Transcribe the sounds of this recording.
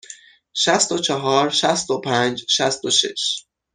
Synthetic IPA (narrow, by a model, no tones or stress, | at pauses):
ʃæst̪ot͡ʃʰɒɦɒːɾʃæst̪opʰænd͡ʒʃæst̪oʃḛʃ